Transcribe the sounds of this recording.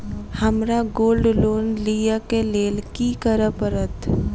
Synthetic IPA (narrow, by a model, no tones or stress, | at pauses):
həmɾaɡoːlɖloːnliːjakeleːlkikəɾəpəɾət̪